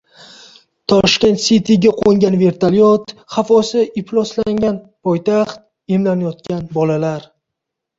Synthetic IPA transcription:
t̪ʰɒʃkʲe̞nt̪sit̪ʰiɡʲaqʰoŋɡʲanve̞ɾt̪ʰaljɒt̪χafɒsɪɪplˠɒslaŋɡʲan | pʰɒjt̪ʰaχt̪̚ | emlanajɒt̪̚kʲanbɒlalaɾ

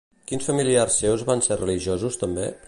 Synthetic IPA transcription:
kinsfəmiliarsːewzβanserəliʒozust̪əmbḛ

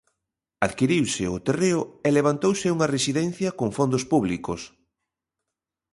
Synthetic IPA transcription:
aðkiɾiwsɪʊt̪ereʊeleβ̞ant̪owsɪuŋɐresiðɛnθjɐkoŋfond̪ʊspuβlikʊs

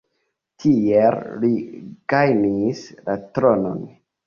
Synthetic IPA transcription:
tʰielliɡajnislatɾono̞̰n

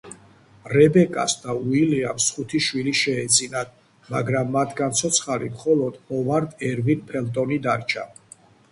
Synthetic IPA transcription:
ɾɛbɛkʼasd̪auiliamsχut̪ʰiʃwiliʃɛːd̪zʼinad̪ | maɡɾamːat̪ʰɡant̪sʰɔt̪sʰχaɾimχɔlɔd̪̥ɔvaɾd̪ɛɾvinpʰɛlt̪ʼɔnid̪aɾt͡ʃʰa̰

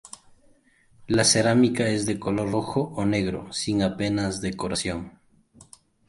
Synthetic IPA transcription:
lase̞ɾamikae̞zðeko̞lo̞ɾroxo̞ʔone̞ɣɾo̞̰siŋape̞nazðe̞ko̞ɾasjo̞ŋ

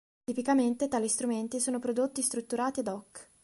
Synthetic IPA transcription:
t̪ipikament̪et̪aːlist̪ɾument̪isoːnopɾod̪ot̪ːist̪ɾut̪ːuɾaːt̪iad̪ɔkː

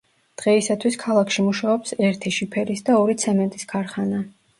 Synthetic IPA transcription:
d̪̥ʁɛisat̪ʰwiskʰalˠakʰʃimuʃaɔpsɛɾt̪ʰiʃipʰɛɾisd̪aɔɾit̪sʰɛmɛnt̪ʼiskʰaɾχana

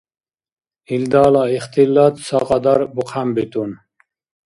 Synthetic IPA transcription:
ild̪ɑːlɑiχt̪ʰilːɑt̪sɑqɑd̪ɑɾbuqʰambit̪un

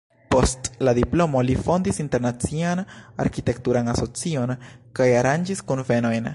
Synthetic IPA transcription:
po̞stladiplo̞mo̞lifo̞ndisinte̞ɾnat͡siana̰ɾkite̞k̚tuɾanaso̞t͡sio̞nkajaɾand͡ʒiskunve̞no̞jn

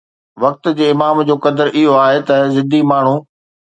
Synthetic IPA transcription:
ʋɐk̚t̪̆d͡ʑeːɪmaːmd͡ʑoːkɐd̪əɾʔɪɦoaːɦet̪ɐzɪd̪ʱimaːɳ̤u

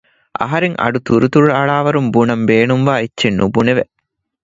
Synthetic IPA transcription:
ʔɐ̰ɦɐɾeŋʔɐ̰ɖut̪uɾut̪uɻɐɭaːʋɐɾumbunɐmbeːnumʋaːetːt͡ʃenːʔubuneʋe

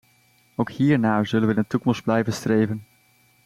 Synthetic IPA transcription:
owkhiːɹnaːzɵlənʋəɪnətukɔmsd̚blɛjvənstrejvən

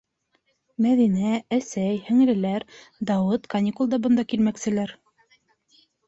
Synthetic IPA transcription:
mæðinææsæjhɵ̆ŋɘ̆ɾɘ̆læɾd̪ɑwɤt̪kɐnʲikulˠd̪ɑbɤ̆nd̪ɑkilmæksɘ̆læɾ

